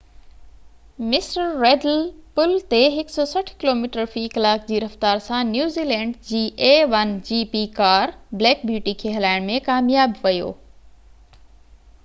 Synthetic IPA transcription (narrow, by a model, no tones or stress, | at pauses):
mɪsɾəːeːɖəlpʊlt̪eɦɪksɔsɐʈʰkɪloːmiːʈəɾfiːkɐlaːk̚d͡ʑiːɾɐft̪aːɾsãnjuːziːlɛ̃ːɳɖd͡ʑiːʔeːʋɐnd͡ʑiːpikaːɾbleːk̚bʱjuːʈikʰeːɦɐlaːɪɽ̃mẽkaːmjaːbʋɐjo̰ː